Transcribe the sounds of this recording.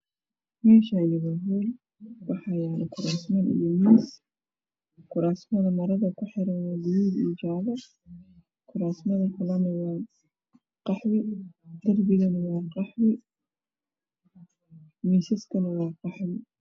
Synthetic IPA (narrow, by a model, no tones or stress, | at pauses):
mɛːʃanɪβɐɦuːl | wɑħɑːjaʕlɪkʰʊɾaːsmanʔɪ̰jɔmiːs | kʰʊɾaːsmɐðɐmɐɾɐðɐkʰʊħɪɾɐnwadʊjuːd̪ḭːd͡ʒaːβɐ | kʰʊɾaːsmɐðɐkʰʊlɐnɐwɑː | qɑħwɪd̪̥ɐrbɪɣɐnɐwɑːqɑħwɪ | miːsɐskʰɐnɐwɑːqɑħwɪ